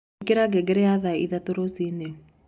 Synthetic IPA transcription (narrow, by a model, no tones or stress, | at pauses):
keɾaɡɛɡɛɾɛjaðaḭðatoɾosine